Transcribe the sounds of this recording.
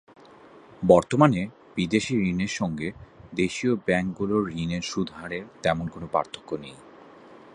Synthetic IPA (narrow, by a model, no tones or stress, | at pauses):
bɔɾt̪omane | b̥id̪eʃiɾineɾʃɔŋɡed̪eʃiobɛŋkɡuloɾineɾʃud̪ʱaɾet̪ɛmonkonopa̰ɾt̪ʰːo̥kːonej